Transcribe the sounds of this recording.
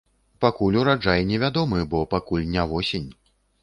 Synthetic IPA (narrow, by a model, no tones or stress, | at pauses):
pakulʲuɾad͡ʐajɛnʲɛvʲad̪ɔmɨbɔpakulʲnʲavɔsʲenʲ